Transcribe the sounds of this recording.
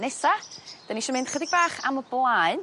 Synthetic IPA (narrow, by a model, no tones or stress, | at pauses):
nɛsad̥aniʃəːmɪnd̥χədɪɡ̚baːχaməblˠaɨn